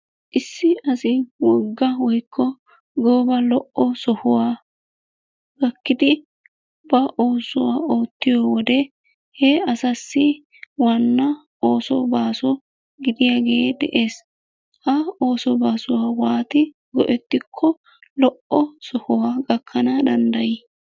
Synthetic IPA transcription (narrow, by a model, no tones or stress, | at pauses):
ʔɪsːɪɐsɪwɔɡːɐwɔjkʰːɔ | ɡoːbɐlɔʔɔsɔhʊwaː | ɡ̥ɐkːɪd̪ɪ | bɐʔo̞ːsʊwaːoːt̪ːɪjoːwɔd̪ɛ | hɛɐsɐsːɪ | wɐnːɐ | oːsɔbaːsɔ | ɡɪd̪ɪjaɡeːd̪ɛ̰ʔe̞ːs | hɐo̞ːsɔbaːsʊwaːwaːt̪ɪ | ɡɔʔɛt̪ːɪkʰːɔ | lɔʔɔsɔhʊwaːɡɐkʰːɐnɐd̪ɐnd̪ɐjɪ